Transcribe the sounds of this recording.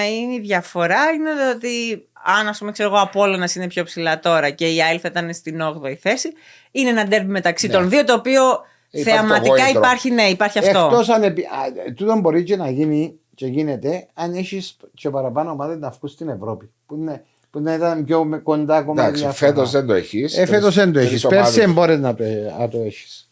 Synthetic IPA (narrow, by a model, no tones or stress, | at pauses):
iniðʝɐfo̞ɾɐine̞ðot̪i | ɐnɐspumekse̞ɾoɣo̞ɐpo̞lonɐsine̞pço̞psilɐt̪o̞ɾɐce̞iɐilfɐit̪ɐnest̪ino̞ɣðoiθe̞si | ineenɐd̪e̞ɾmime̞t̪ɐksit̪o̞nðio̞t̪oːpio̞ | θeɐmɐt̪ikɐipɐɾçineipɐɾçiɐfet̪o̞osɐnepit̪ut̪o̞mbo̞ɾit͡ʃenɐʝini | ce̞ʝine̞t̪e̞ɐneçist͡ʃepɐɾɐpɐnoːmaðeznɐfkust̪ine̞vɾo̞pi | pune | puid̪ɐit̪ɐnmçomko̞nd̪ɐkomɐkɐfet̪ozðend̪oeçiseffet̪ozðend̪oeçispeɾsiembo̞ɾeznɐt̪oɐt̪oe̞çi̥s